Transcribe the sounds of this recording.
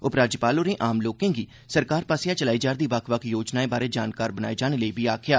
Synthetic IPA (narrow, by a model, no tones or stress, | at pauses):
ʊpɾaːd͡ʒpaːloːɾẽːʔaːmloːkẽːɡiː | səɾkaːɾpaːsɪjaːt͡ʃəlaːiːd͡ʒaːɾd̪iːʋəkʰʋəkʰjoːd͡ʒnaːẽːbaːɾeːd͡ʒaːnkaːɾbənaːeːd͡ʒaːñeːləiːbiːaːkʰjaː